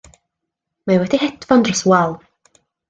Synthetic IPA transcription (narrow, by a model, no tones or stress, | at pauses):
mawɛdihɛdvɔndrɔswalˠ